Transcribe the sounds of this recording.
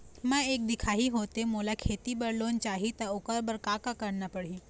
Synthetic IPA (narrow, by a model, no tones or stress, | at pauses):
mə̃ek̚d̪ikʰaɦiɦot̪emolakʰet̪ibəɽlont͡ʃaɦit̪əokəɾbəɾkakakəɾnəpəɽi